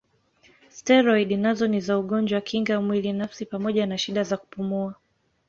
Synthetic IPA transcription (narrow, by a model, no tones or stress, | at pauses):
staɾɔiɗnazɔnizauɠɔnd͡ʒwakʰiŋɡamwilinafsipamɔʄanaʃiɗazaku̥pumua